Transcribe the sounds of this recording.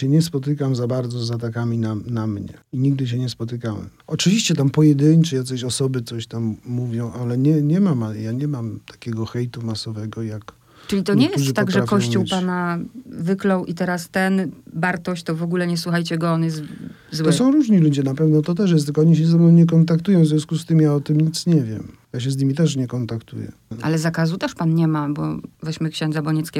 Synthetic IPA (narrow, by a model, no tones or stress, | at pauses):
ɛɲɛspɔt̪ɘkamzabaɾd̪zɔzat̪akamʲinanamɲɛ̰iɲiɡ̚d̪ɘɕ̬ɛɲɛspɔt̪ɘkawɛ̰mɔt͡ʂɘvʲiɕt͡ɕɛt̪ampɔjɛd̪ɘɲt͡ʂɛjasɔɕɔsɔbɘt̪sɔɕt̪amːuvʲjɔ̃w̃ʔalɛɲɛɲɛmamajaɲɛmamt̪ʰḁkʲɛɡɔxɛjt̪umasɔvɛɡɔjak | t͡ʂɨlʲit̪ɔɲɛjɛsuʐɨt̪aɡʐɛɾafkɔɕt͡ɕuwpanavɘklɔwʔit̪ɛɾast̪ɛnbaɾt̪ɔɕt͡ɕt̪ɔvɔɡulɛɲɛswuxajt͡ɕɛɡɔɔnjɛs̬t̪ | zw̪ɔsɔ̃w̃ɾuʐɲilud͡ʑɛnapɛvnɔt̪ɔt̪ɛʂ̬jɛst̪lkɔɔɲiɕ̬ɛzɛvnɔ̃w̃ɲɛkɔnt̪akt̪ujɔ̃wvzvjɔ̃skust̪ɘmjaɔt̪ɘmɲit̪sɲɛvʲjɛ̰mjaɕ̬ɛzɲimʲit̪ɛʂɲɛkɔnt̪akt̪ṵjɛ̰ʔa̰lɛzakazut̪ɛʂpanɲɛmabɔvɛɕmɘkɕɛ̃nd̪zabɔɲɛt̪skʲe